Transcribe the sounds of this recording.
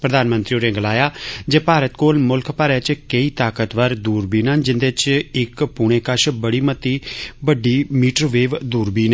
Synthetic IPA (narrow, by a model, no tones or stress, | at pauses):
pɾəd̪aːnmə̃nt̪ɾioːɾẽːɡəlaːjaːd͡ʒeːpaːɾət̪koːlmʊlkʰpəɾɛːt͡ʃkəiːt̪aːkət̪ʋəɾd̪uːɾbiːnand͡ʒɪnd̪eːt͡ʃɪkpuːɽ̃eːkəʃbəɽiːmət̪iːbəɖiːmiːʈɾoːʋeːʋd̪uːɾbiːneː